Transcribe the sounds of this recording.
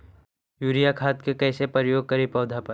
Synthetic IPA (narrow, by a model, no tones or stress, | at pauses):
juːɾijakʰaːt̪kekɛːsepəɾjoːɡ̚kɐɾipɔːd̪ʱapɐɾ